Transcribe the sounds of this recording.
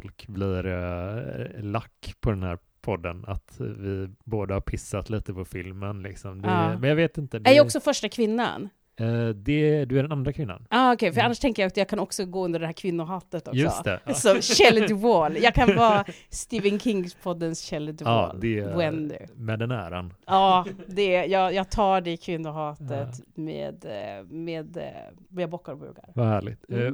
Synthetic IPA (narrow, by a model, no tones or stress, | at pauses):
ɔlkbliɾ | lakːpʰɔd̪ɛnhæ̰ːɾ | pʰɔd̪ːə̰na̰t̪vɪboːd̪əhaɾpʰɪsːat̪liːt̪əpʰɔfɪlmənlɪksɔmd̪ɛɑːmɛnjɑːveːt̪ɪnt̪əd̪æɾjɔksɔfœʂʈakʰvɪnːa̰n | d̪ɛd̪ɵæɖɛnand̪ɾakʰvɪnːa̰nɑːɔkʰɛjfœɾanːaʂt̪ʰɛŋkəjaɔksɔjɑːkʰanɔksɔɡoːɵnd̪əɖɛhæːɾkʰvɪnːʊɦɑːt̪ət̪ɔjsɵsɔst̪ʰɛ̰sɔɕɛld̪ɪvoljɑːkʰanvɑːst̪iːvənkʰɪŋspʰɔd̪ːənsɕɛlːd̪ɪːld̪ɛbɛnd̪ɪ̰mɛd̪ɛnæ̰ːɾa̰nɑːd̪ɛjɑːɡjɑːɡ̚t̪ʰɑːɖɛkʰvɪnːʊɦɑːt̪ət̪mḛːd̪mḛːd̪ | jabɔkːaɾɔbʉ̰ːɡa̰ɾvahæːɭɪ̰t̪